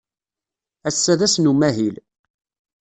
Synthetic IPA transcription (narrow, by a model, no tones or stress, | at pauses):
æsːæðæsnumæɦil